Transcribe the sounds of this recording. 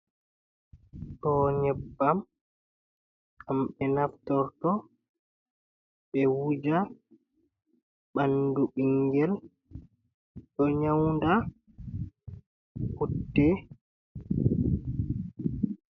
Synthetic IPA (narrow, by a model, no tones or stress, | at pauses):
ɗɔːɲɛbːam | kamɓɛnaftɔɾtɔ | ɓɛwud͡ʒa | ɓbanduɓiŋɡɛl | ɗɔɲawnda | hudːɛ